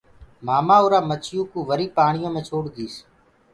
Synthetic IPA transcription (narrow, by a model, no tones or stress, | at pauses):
maːmãːʊɾaːmət͡ʃɪjũːkũːʋəɾiːpaːɳɪjõːmẽːt͡ʃʰoːɽɡ̪iːs